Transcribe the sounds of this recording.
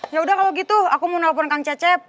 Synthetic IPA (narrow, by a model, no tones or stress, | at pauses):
jaudahkaloɡit̪uakumunap̬ɔnkaŋt͡ʃɛt͡ʃɛp̚